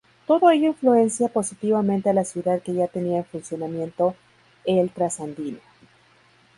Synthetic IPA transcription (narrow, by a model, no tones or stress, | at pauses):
t̪o̞ðo̞e̞ʝo̞influe̞nsjapo̞sit̪iβamẽnt̪ealasjuðaðke̞ʝat̪e̞niaenfunsjo̞namjẽ̞nt̪o̞ | elt̪ɾasand̪ino